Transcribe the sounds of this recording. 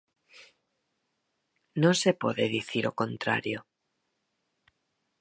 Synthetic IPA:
nosepo̞ðeðiθiɾo̞ko̞nt̪ɾa̰ɾjo

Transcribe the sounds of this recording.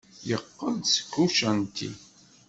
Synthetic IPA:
jəqːənd̪sə̥kːuʃænt̪ḭ

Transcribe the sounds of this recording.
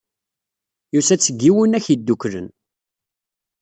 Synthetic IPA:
jusæt͡sːəɡːiwənæçid̪ːukɾən

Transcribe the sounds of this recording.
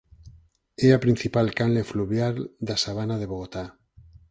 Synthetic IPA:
eapɾin̟θipalkanlefluβjaɾd̪asaβ̞anað̞eβoɣ̞ot̪a

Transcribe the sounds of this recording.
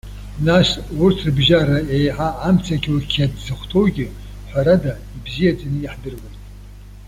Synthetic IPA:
naʂurtʰrbʒaɾaejħaːmt͡sʰakʲʰʼkʲʰadzɨχʷtʰowɡʲɪ | ħʷaɾada | ibzijat͡sʼanɨiħdɨrwanʼ

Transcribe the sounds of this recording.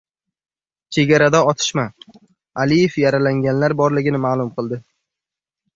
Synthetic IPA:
t͡ʃʰe̞ɡʲaɾad̪aɒt̪ʰɪ̥ʃma | alijefjaɾalaŋɡʲanlaɾbɒɾlɪɡʲɪnɪmaːlˠʊmqʰɨlˠd̪ɪ

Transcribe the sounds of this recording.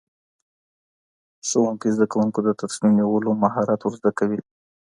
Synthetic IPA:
sowuŋkizd̪akawuŋkod̪ət̪asminniwəlomaɦɑɾat̪wʊɾzd̪akawi

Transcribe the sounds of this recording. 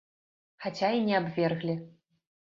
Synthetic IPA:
xat͡ɕʲainʲɛabvʲerɣlʲi

